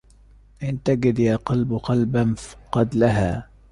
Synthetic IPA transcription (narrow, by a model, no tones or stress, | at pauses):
ʔɪnt̪aɡɪd̪jaːqɑlbqɑlbanfqɑd̪laɦaː